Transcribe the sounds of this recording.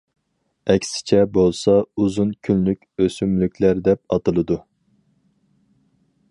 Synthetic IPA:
ɛkʲsɪ̥t͡ʃʰɛbolˠsɑuzunkʲʰynlykʲøsymlykʲʰlæɾd̪ɛp̚ɑt̪ɨlˠɨd̪u

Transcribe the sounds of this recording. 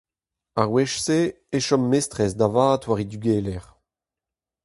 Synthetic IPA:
aʁwɛʃse | eʃɔmːestʁɛsd̪avaːt̪waʁid̪yɡeːlɛʁ

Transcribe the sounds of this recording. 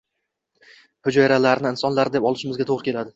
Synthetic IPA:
hʊd͡ʒɒjɪɾalaɾnɪɪnsɒnlaɾɪd̪epɒlˠɪʃɪmɪzɡʲat̪ʰoʁɾɪkʲʰelad̪ɪ

